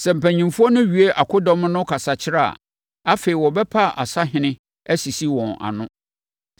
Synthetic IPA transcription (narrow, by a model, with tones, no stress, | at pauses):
sɛ˨m̩˨pæ˨ɲĩ˨mfu˦ɔ˦nʊ̃˦ɥi˨e˦ʔa˨kʰʊ˦dɔ̃˦m̃˦nʊ̃˦kʰa˨sa˨t͡ɕʰɪ˦ɾa˦˨a̰˨ | a˦fe˨i˨wɔ˨bɛ˦pʰa˦˨ʔa˨sa˦ɦɪ̃˦nɪ̃˦ | æ˦si˨si˦wɔ̃˨na̰˨nʊ̃˦